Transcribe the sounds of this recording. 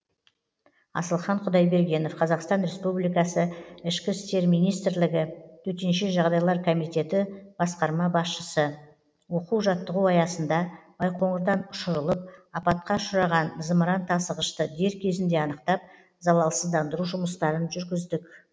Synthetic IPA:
ɑ̰səlˠχɑɴqʰʊd̪ɑjbe̞ɾɡʲe̞no̞fqʰɑzɑqst̪ɑnɾe̞spublijkɑsəɪʃkʲɪst̪e̞ɾmijnijst̪ɾlɪɡʲɪt̪ʰɵt̪e̞nʃeʒɑʁd̪ɑjlˠɑɾkʰo̞mijt̪e̞t̪ɪb̥ɑsqɑɾmɑbɑsʃəsə | wo̞quwʒɑt̪ːəʁuɑjɑsənd̪ɑb̥ɑjqʰo̞ɴəɾd̪ɑnʊʃʊɾəlˠəp̚ɑpɑt̪̚qɑʃʊɾɑʁɑnzəməɾɑnt̪ʰɑsəʁəʃt̪əd̪e̞ɾkʲʰe̞zɪnd̪e̞ɑnəqt̪ɑp̚ | zɑlˠɑlˠəsəzd̪ɑnd̪əɾuʒʊməst̪ɑɾənʒʏɾɡʲɪzd̪ɪkʲ

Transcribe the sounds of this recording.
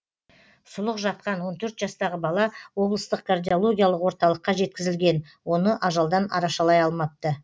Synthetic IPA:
sʊlˠəqʒɑt̪̚qɑnwo̞nt̪ʰɵɾt̪ʒɑst̪ɑʁəbɑlˠɑwo̞blˠəst̪əqkʰard̪ʲio̞lˠo̞ɡʲijalˠəqwo̞ɾt̪ɑlˠəqːɑʒe̞t̪̚kʲɪzɪlɡʲe̞n | wo̞nəʔɑʒɑlˠd̪ɑnɑ̰ɾɑʃɑlˠɑjɑlˠmɑp̚t̪ə

